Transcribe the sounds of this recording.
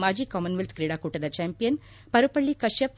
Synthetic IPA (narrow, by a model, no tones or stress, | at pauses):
maːd͡ʑiːkɔːmɐnʋilt̪ʰkɾiɽakuʈɐd̪ɐt͡ɕɛːmpijən | pɐɾupɐɭːikɐʃɐf